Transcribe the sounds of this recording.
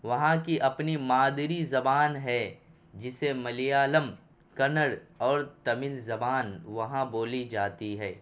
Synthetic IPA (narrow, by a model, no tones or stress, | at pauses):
ʋɐɦãkiʔɐpnimaːd̪ɾizɐbaːnɦɛ | d͡ʒɪsemɐlijaːləm | kɐnəɽɔːɾt̪ɐmɪlzɐbaːnʋɐɦãboːlid͡ʒaːt̪iɦɛː